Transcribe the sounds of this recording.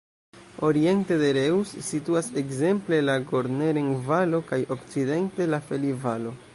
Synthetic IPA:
o̞ɾie̞nte̞de̞ɾewsːituase̞kze̞mple̞laɡo̞ɾneɾenvalo̞kajo̞kt͡side̞nte̞lafe̞livalo̞

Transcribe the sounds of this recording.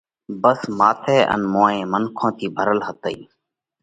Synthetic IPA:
bəsmaːt̪ʰeːʔə̰nmõːẽːmənkʰõːt̪ʰiːbʱəɾəlɦət̪əḭː

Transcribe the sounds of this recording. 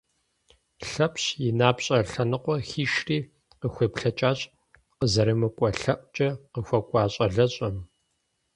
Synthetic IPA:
ɬɐpʰɕjɪnaːpɕʼɐɬɐnɨqʷɔxiːʃriː | qəxʷeːpɬɐt͡ʃʼaːɕʼ | qəzɐɾɨmɨkʷʼɔɬɐʔʷʼt͡ʃʼɐqəxʷɐkʷʼɑːɕʼɐɮɐɕʼɐm

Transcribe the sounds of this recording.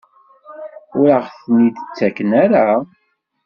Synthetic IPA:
ʊɾəʁθnid̪ət͡sːækənaɾa

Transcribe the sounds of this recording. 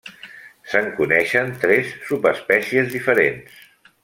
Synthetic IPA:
səŋkunɛʃənt̪ɾɛsːupəspɛsiəzðifəɾens

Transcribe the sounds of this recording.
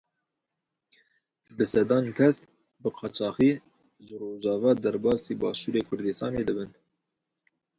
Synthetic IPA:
bɨsɛd̪ɑːnkʰɛs | bɨqʰɑːt͡ʃɑːxiː | ʒɨroːʒɑːvɑːd̪æɾbɑːsiːbɑːʃuːɾeːkʰʊɾd̪ɨst̪ɑ̰ːneːd̪ɨbɨn

